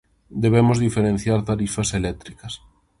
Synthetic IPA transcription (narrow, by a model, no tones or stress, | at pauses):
d̪eβemozðifeɾen̟θjaɾt̪aɾifɐselɛk̚t̪ɾikɐs